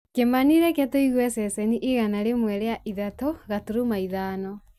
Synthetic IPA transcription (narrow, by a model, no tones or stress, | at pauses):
kemaniɾɛkɛtoiɣwɛsɛsɛniʔiɣanaɾemwɛɾeaʔiðatoɣatuɾumaiðaːnɔ